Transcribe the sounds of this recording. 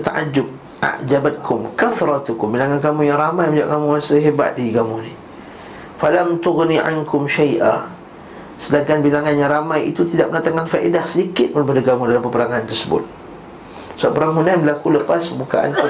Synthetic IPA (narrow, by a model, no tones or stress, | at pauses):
t̪aʔad͡ʒʊb̚ | ʔa̰ʔd͡ʒabat̪̚kʰʊmkaθɾˤɑt̪ʊkʊmbilaŋankamujaŋɾamajməd͡ʒaʔkamuasəɦeba̰t̪̚diɡamuni | falamt̪ʊɣniʕa̰nkʊmʃajʔa | sədaŋkanbilaŋanjaŋɾamajḭt̪ut̪idaʔ̚mənat̪aŋkanfaʔidahsədikɪt̪̚bəɾip̬adaɡamudalampəpəɾaŋant̪ərsəbʊ̰t̪̚ | səbaʔpəɾaŋɦunajbəlakuləpaspəbukaʔa̰nk